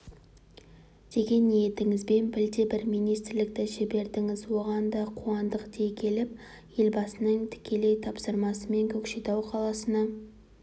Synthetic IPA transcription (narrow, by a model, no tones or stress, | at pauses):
d̪̥e̞ɡʲe̞nːije̞t̪ɪŋɪzbe̞nbɪld̪ebɪɾmijnijst̪ɾlɪk̚t̪ɪʃebe̞ɾd̪ɪŋɪzwo̞ʁɑnd̪ɑqʰuɑnd̪əqd̪ʰekʲʰe̞lɪp̚ | je̞lbɑsənəɴt̪ʰɪ̥kʲe̞le̞jt̪ʰɑpsəɾmɑsəme̞ŋkʲʰɵkʃet̪ɑwqʰɑlˠɑsənɑ